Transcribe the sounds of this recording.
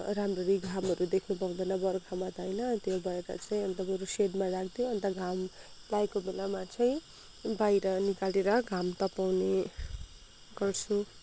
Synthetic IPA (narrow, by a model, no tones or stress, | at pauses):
ramrʌɾiɡʱamɦʌɾud̪ekʰnupʌwd̪ʌnʌbʌrkʰamat̪ʌjnʌt̪jobʱʌeɾʌ̰t͡saĩʌnt̪amʌɾuseɖmarakʰd̪joʌnt̪aɡʱam | lajkobelamat͡saĩ | bajɾʌnikaleɾʌɡʱamt̪ʌpawne | ɡʌrt͡sʰu